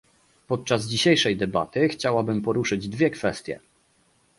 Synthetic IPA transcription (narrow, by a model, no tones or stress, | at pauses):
pɔt̪̚t͡ʂazd͡ʑiɕejʂɛjd̪ɛba̰t̪ɘxt͡ɕawabɘmpɔɾuʂɘd͡ʑd̪vʲjɛkfɛst̪ʲjɛ̰